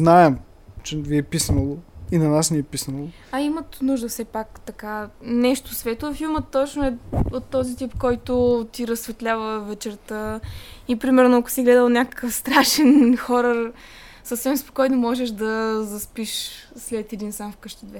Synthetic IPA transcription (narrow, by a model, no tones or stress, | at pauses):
znaɛm | t͡ʃɛviɛpisnəlˠoinɐnasniɛpisnəlˠo | ɐimət̪nuʒd̪əfsɛpakt̪ɐkanɛʃt̪ʊsvɛt̪oɐfilˠmət̪ːɔt͡ʃnʊɛot̪ːɔzit̪ipkɔjt̪ʊt̪iɾəsːvɛt̪lʲavəvɛt͡ʃɛɾt̪əipɾimɛɾnʊɐkʊ̥siɡlɛd̪əlˠnʲakə̥kəfst̪ɾaʃɛnxɔɾə | səfsɛmspo̥kɔjnomɔʒɛʃd̪ɐzɐspiʃslɛt̪ɛd̪insamfkɤʃt̪əd̪vɛ